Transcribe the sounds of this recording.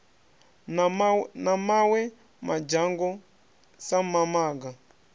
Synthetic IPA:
namawɛ | mad͡ʒaŋɡɔ | samamaːɡa

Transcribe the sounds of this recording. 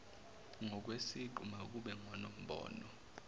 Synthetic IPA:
ŋɔk̬wesiǃumak̬ʼuɓɛŋwanom̩ɓɔ̰ːnɔ

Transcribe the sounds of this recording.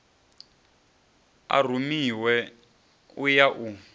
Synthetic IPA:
a̰r̤umiwɛ | ujaʔu

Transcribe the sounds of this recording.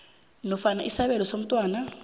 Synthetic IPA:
nɔfanaʔisaβɛlɔsom̩tʼwaːna

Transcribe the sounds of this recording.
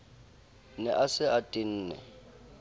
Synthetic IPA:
nɛʔasɪatʼin̩ːnɛ̰

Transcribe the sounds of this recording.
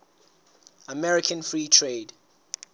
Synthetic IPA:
əmɛɹɪkʰə̃nfɹiːtʰɹeːd

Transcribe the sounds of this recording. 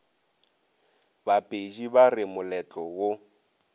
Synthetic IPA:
bapʼed͡ʒibarɪmʊlɛt͡ɬʼɔwo

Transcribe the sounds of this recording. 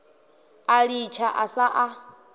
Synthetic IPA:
aɺit͡ʃʰaʔasaʔa

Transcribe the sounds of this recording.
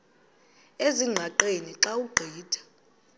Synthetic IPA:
eziŋ͡ǀʱaǃeniǁauɡ͡ǃʱiːd̥ʱḁ

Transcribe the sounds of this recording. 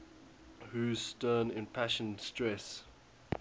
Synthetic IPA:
huzstɜːnɪ̃npʰæʃə̃nstɹɛs

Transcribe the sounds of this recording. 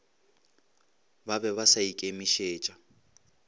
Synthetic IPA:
babɛβasaikʼemiʃeːt͡ʃʼa

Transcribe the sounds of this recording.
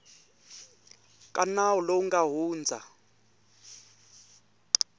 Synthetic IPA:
kʼanaɔloŋɡaɦuːnd͡zʱa

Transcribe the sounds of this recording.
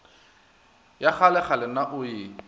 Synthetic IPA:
jaχalɛχalɪnaʔʊjɪ

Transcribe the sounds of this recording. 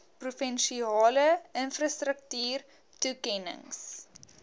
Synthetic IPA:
prufɛnʃiɑːləənfrɑstrək̚tyːr | tukɛnə̰ŋs

